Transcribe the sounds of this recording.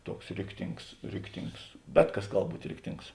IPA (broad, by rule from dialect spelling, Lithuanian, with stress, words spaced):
ˈtuɔks ˈrʲɪktʲɪŋks ˈrʲɪktʲɪŋks ˈbʲɛt ˌkɐs ˈɡɐlˠ ˈbuːtʲ ˈrʲɪktʲɪŋks